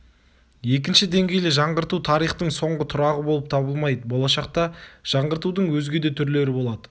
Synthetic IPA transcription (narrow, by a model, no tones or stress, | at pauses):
je̞k̬ʲɪnʃɪd̪e̞ŋɡʲe̞jlɪʒɑɴʁəɾt̪ut̪ʰɑɾijχt̪əɴso̞ɴʁət̪ʰʊɾɑʁəbo̞lˠəp̚t̪ʰɑbəlˠmɑjd̪əbo̞lˠɑʃɑq̚t̪ɑʒ̥ɑɴʁəɾt̪ud̪əɴwɵzɡʲe̞d̪e̞t̪ʰʏɾle̞ɾɪbo̞lˠɑd̪ə